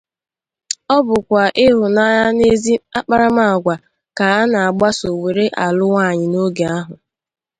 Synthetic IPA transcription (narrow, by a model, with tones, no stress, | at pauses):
ɔ˦bʊ˨kʷa˨ʔɪ˦ɦʊ˨na˦ja˦ne˦zi˦a˦k͡pa˦ɾa˦ma˦˨a˨ɡʷa˨ | ka˨a˦na˨a˨ɡ͡ba˦so˨we˨ɾe˦ʔa˨lʊ˦wa˦˨ɲɪ˨no˦ɡe˨a˦ɦʊ˨